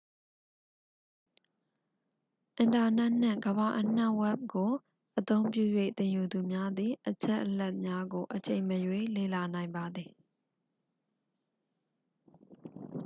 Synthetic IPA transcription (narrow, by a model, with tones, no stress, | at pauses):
ʔɪ̃˨nta˨nɛ˦ʔn̥ɪ̰̃˦˨ŋɡəβa˨ʔən̥ɛ˦ʔwɛ˦p̚ɡo˨ | ʔət̪õ˦ʊ̃mp̬jṵ˦˨jwḛ˦˨t̪ɪ̃˨ju˨d̪u˨mja˦d̪ði˨ʔət͡ɕʰɛ˦ʔəlɛ˦ʔ̚mja˦ɡo˨ʔət͡ɕẽ˨ɪ̃məjwe˦˨le˦˨la˨nã˨ɪ̃mba˨d̪ði˨